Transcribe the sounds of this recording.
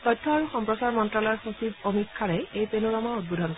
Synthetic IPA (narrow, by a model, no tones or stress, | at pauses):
t̪ɔjtʰːɔaɹuxɔmpɹɔsaɹmɔntɹalɔɔɛɹxosibomikʰːaɹɛejpenuɹɔmaud̚budʱɔnkɔ